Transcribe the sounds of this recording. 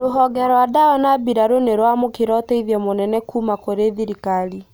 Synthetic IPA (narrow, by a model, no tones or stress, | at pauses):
ɾoɦɔɡɛɾwadaɔnabiɾaɾoneɾwamokeɾɔteiðiɔmonɛnɛkuːmakoɾeðiɾikali